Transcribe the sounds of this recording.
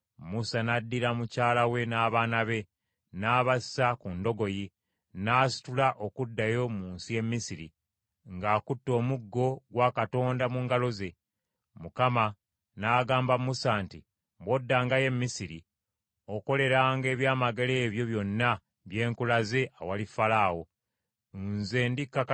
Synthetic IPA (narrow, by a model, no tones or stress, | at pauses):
musanadːiɾamucaːlawe̞naːβaːnaβe̞ | naːβasi̥sakundo̞ɡo̞ji | naːsi̥tulaʔo̞kudːajo̞muːnsije̞mːisiɾḭ | ŋɡaːkutːo̞ːmuɡːo̞ɡwakato̞ːndamuːŋɡalo̞ze̞ | mukama | naːɡaːmbamusaːnti | bodːaːŋɡaje̞mːisiɾi | o̞ko̞le̞ɾaːŋɡe̞ːβjaːmaɡele̞ːβjo̞βjo̞nːa | βje̞ːŋkulaze̞ʔawalifalaːwo̞ | nze̞ːndikːa